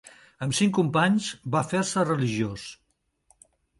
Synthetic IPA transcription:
əmsiŋkumpaɲzβafeɾsərəliʒios

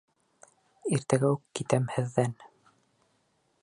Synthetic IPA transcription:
iɾt̪æɡæukːit̪æmhɘ̆ðːæn

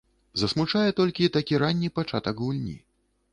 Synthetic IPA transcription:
zɐsmut͡ʂajɛt̪ɔlʲkʲit̪akʲiɾanʲːipat͡ʂat̪ɐkɣulʲnʲḭ

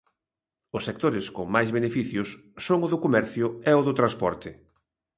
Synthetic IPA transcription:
ʊsːek̚t̪oɾɪskoŋmajzβenefiθjʊsːoŋʊðʊkomɛɾθjʊɛʊðʊt̪ɾãspɔɾt̪ɪ

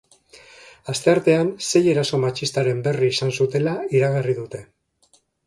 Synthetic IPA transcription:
ast̪e̞aɾt̪e̞anse̞je̞ɾaso̞mat͡ʃist̪aɾe̞mbe̞riːsansut̪e̞laiɾaɣeriðut̪e̞

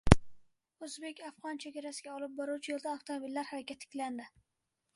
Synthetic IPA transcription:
ɵzbe̞kʲafʁɒnt͡ʃʰeɡʲaɾasɪɡʲaɒlɪp̚bɒɾuwt͡ʃʰɪjeld̪aaft̪ʰomobilːaɾhaɾakʲat̪ʰːɪ̥kʲland̪ɪ

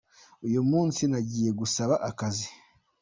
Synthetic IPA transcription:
ujumuːnsinaɟiːje̞ɡusaβaʔakazi

